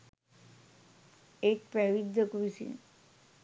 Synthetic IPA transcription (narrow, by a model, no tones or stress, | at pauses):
ek̚pɾɛʋid̪ʱːəkʋisḭn